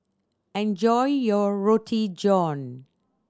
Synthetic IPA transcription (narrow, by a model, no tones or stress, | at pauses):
ɛ̃nd͡ʒɔɪjɔɹotʰid͡ʒɔ̃n